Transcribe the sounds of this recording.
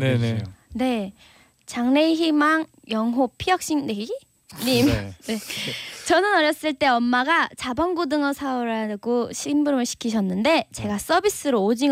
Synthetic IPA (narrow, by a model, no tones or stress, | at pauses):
nene̞ | t͡ɕaŋne̞ɦimaŋ | jʌŋɦopʰijʌk̚ɕ͈ine | ɲimne̞t͡ɕʌnɯnʌɾjʌs͈ɯɭt͈e̞ʌmːaɡat͡ɕabʌŋɡudɯŋʌsʰaoɾaɡoɕʰimbuɾɯmɯɭɕʰi̥kʰiɕʰʌnːɯnde̞t͡ɕe̞ɡas͈ʌbis͈ɯɾoːd͡ʑiŋ